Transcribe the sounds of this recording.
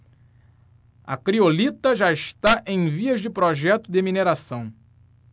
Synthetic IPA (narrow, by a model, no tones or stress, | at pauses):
ɐ̰kɾiolit̪ɐʒaɪʃt̪aʔẽj̃viɐzd͡ʒɪpɾoʒɛt̪ʊd̪ɪmineɾasɐ̃w̃